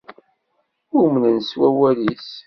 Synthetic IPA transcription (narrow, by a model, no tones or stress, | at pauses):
ʊmnənswæwælis